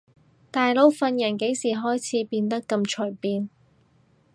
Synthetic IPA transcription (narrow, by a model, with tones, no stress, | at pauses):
t̪aː˨jlo˨˧wfɐ˧njɐ˨˩nke˨˥jsiː˨˩ɦɔː˥jt͡sʰiː˨˥piː˧nt̪ɐ˥kːɐ˧mt͡ʃʰɵ˨˩jpiː˧n